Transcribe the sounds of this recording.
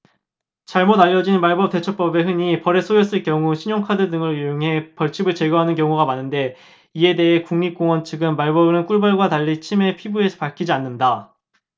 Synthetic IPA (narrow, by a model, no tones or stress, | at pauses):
t͡ɕaɭmodaʎːʌd͡ʑinmaɭbʌp̚t͈e̞t͡ɕʰʌp͈ʌbe̞ɦɯɲipʌɾe̞sʰojʌs͈ɯɭkjʌŋuɕʰiɲoŋkʰadɯdɯŋɯɭjujoŋɦe̞pʌɭt͡ɕʰibɯɭt͡ɕe̞ɡʌɦanɯnkjʌŋuɡamanːɯnde̞ | ie̞de̞ɦe̞kuŋmik͈oŋwʌnt͡ɕʰɯɡɯnmaɭbʌbɯnɯnk͈uɭbaɭɡwataʎːit͡ɕʰime̞pʰibue̞sʰʌ̥paɭkʰid͡ʑianːɯnda